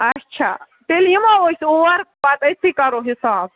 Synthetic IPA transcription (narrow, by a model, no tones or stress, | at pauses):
ɐtːt͡ʃʰa̰ | ʈ̪elimaosoɐɾbat̪ɐjt̪ʰːikɐɾoɦisaːb̚